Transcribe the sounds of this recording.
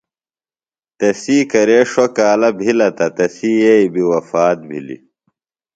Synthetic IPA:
t̪ɐsiːkɐɾeːʂokaːlɐbʱilɐt̪ɐt̪ɐsiːjeibiwɐfaːt̪̚bʱḭlḭ

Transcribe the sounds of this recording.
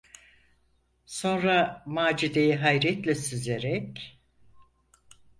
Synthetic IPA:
so̞nɾamaːd͡ʒid̪e̞jiɦajɾɛt̪lʲɛsyzeɾɛc

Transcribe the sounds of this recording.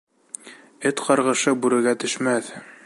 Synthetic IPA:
ɘt̪qɑɾʁɤ̆ʃɤbʉɾɘ̆ɾɡæt̪ɵ̆ʃmæθ

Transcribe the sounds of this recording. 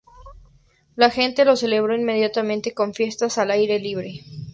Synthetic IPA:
laxe̞nt̪e̞lo̞se̞le̞βɾo̞inme̞ð̞jat̪amẽnt̪e̞ko̞ɱfje̞st̪asalajɾe̞liβ̞ɾe̞

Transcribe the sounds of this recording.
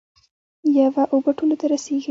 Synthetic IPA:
javaʔobəʈolat̪aɾaseɡi

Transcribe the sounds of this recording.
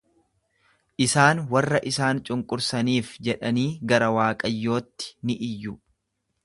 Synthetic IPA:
ʔɪsaːnwɐrːɐʔɪsaːnt͡ʃʼʊŋkʼʊɾsɐniːfd͡ʒɛᶑɐniːɡɐɾɐwaːkʼɐjːo̞ːt̪ːɪ̥nɪʔɪjːʊ

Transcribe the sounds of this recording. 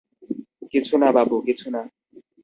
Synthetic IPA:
ket͡sʰunababuket͡sʰuna

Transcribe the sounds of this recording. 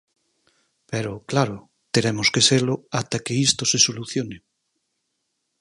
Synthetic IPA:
peɾoklaɾo | t̪eɾemoskeselʊat̪akeist̪osesoluθjone

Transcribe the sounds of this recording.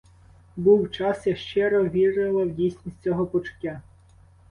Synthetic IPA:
buwt͡ʃɑsjɐʃt͡ʃɛɾɔʋʲiɾɪlˠɐwdʲijsʲnʲisʲt͡sʲɔɦɔpɔt͡ʃʊ̥tʲːa

